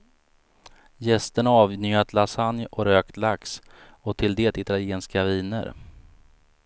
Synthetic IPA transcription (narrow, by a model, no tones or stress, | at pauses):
jɛst̪əɳaɑːvnyːat̪ʰlasanjɔɾøːkt̪laks | ɔt̪ʰɪld̪eːt̪ɪt̪aljeːnskaviːnə̰ɾ